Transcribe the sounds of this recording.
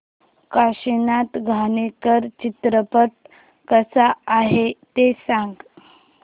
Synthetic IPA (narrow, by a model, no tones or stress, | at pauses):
kaɕinat̪ɡʱanekəɾt͡ɕit̪ɾəpət̪̚ | kəsaːɦet̪esãŋɡ